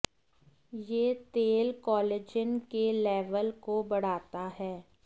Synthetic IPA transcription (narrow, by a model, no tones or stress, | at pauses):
jeːt̪eːlkɔːleːd͡ʒɪnkelɛːʋəlkobɐɽ̤aːt̪aɦɛː